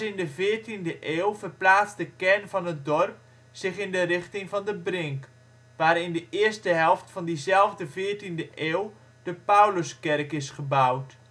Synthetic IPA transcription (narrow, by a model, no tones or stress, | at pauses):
ɪndəvɪːɹtindəʔeːlˠvərplaːtt͡sdəkɛrnvɑnɦət̚dɔrp̚ | sɪχɪndərɪχtɪŋvɑndəbrɪŋk | ʋaːɾɪndəʔɪərstəɦɛlˠftfɑndizɛlˠvdəvɪːɹtindəʔeːwlˠ | d̥əpawləskɛrkɪsχəbawt